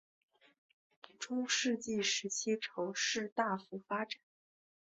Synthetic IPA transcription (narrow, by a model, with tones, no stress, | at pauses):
ʈ͡ʂʊ˥ŋʂɻ̩˥˧t͡ɕi˥˩ʂɻ̩˧˥t͡ɕʰi˥ʈ͡ʂʰo˧˥ʊʂɻ̩˥˧t̪a˥˩fu˧˥fa˥ʈ͡ʂa˨˩˦n